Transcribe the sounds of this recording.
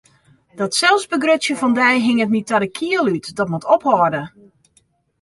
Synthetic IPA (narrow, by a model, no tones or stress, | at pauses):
d̥ɔtsɛlˠsbəɡrøsjəfɔndɛjɦɪŋətnitadəkʰiəlˠytdɔtmutʰɔphɔdə